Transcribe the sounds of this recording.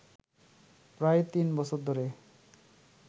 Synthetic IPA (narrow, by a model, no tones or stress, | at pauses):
pɾaet̪inbɔsʰoɾd̪ʱoɾe